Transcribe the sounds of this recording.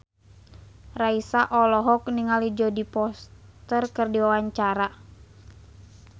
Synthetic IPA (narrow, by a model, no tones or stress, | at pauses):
raisaʔɔlɔɦɔkniŋalid͡ʒɔdipɔst̪ərkɨrdiwawaɲt͡ʃaɾa